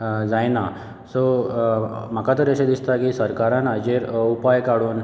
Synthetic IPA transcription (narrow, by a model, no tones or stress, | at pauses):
d͡zajna | so | m̤əkat̪əɾəɕed̪ist̪akisəɾkaɾãnəd͡ʑeɾupajkaɽuːn